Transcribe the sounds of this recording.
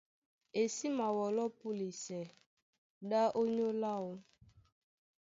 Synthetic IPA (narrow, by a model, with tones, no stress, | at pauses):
e˨si˦ma˨wɔ˨lɔ˦pu˦li˨sɛ˨ | ɗa˦ʔo˦ɲo˦la˦˨wo˦